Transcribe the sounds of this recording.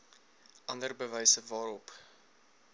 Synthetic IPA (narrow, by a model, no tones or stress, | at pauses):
ʔɐndərbəvɛjsəvɑːɾɔp